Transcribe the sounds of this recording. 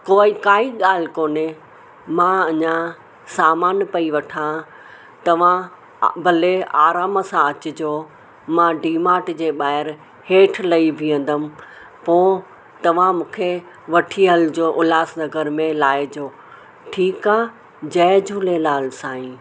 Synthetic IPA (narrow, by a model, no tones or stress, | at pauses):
koːɪkaːiɠaːl̤ɪkoːne | mãɐɲã | saːmaːnpɐiʋɐʈʰã | t̪ɐʋ̤ã | bʱɐleaːɾaːməsãɐt͡ɕʊd͡ʑoː | mãɖiːmaːʈd͡ʑeːɓaːɦɪɾ | heːʈʰlɐibʱiə̃nd̪əmɪ̆ | poː | t̪ɐʋ̤ãmũːkʰe | ʋɐʈʰiɦɐld͡ʑoːʔʊlaːsnɐɡəɾmẽlaːɪd͡ʑoː | ʈʰiːkaː | d͡ʑɐːd͡ʑʱuːlelaːlsãːɦĩː